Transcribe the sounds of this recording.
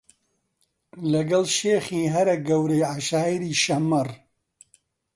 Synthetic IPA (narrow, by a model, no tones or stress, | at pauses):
lɐɡɐlʃeːχiːɦɐɾɐɡɐwɾejʕaʃaːiɾiːʃɐmɐr